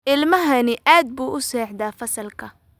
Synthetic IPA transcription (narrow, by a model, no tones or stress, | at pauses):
ɪlmɐɦɐnɪʔaːd̪̚buːʔʊsɛːħd̪aːfɐsɐlkʰɐ